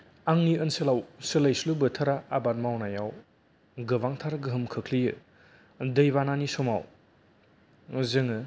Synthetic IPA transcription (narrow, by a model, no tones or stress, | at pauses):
aŋniɯnselawsəlajslubɯtʰɐɾaːbat̚mawnajaw | ɡɯbaŋtʰaɾɡɯɦɯmkʰɯkʰlijɯ | dɯjbananisɔmaw | zɯŋɯ